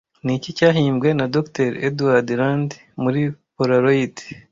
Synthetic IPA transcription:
nicicaːɦiːmbɡwe̞nadokteɾeduwaɾdiɾand | muɾipoɾaɾojiti̥

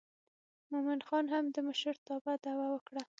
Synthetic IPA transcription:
mʊmɪnxɑnɦamd̪əməʃəɾt̪ɑbad̪awawəkɽa

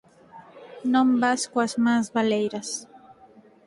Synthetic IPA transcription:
nõmbaskwɐzmazβalejɾɐs

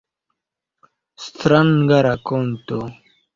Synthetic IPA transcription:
st̪ɾanɡaɾakont̪o

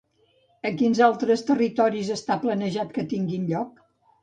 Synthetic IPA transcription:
əkinzalˠt̪ɾəst̪ərit̪ɔɾizəst̪aplənəʒat̪kət̪iŋɡinʎɔk

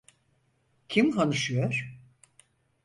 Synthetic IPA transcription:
cʰimɦanɯʃɯjoɾ̥

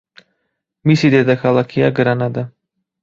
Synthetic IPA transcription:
misid̪ed̪axalˠakʰijaɡɯɾanad̪a

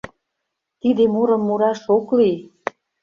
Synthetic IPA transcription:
t̪id̪emuɾə̆mːuɾɑʃoklij

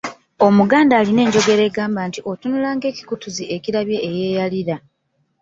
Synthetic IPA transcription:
o̞muɡaːndaːline̞ːɲɟo̞ɡe̞ɾe̞ːɡaːmbantiʔo̞tunulaːŋɡe̞ːci̥kutuzie̞ciɾaβje̞ːje̞ːjaliɾa

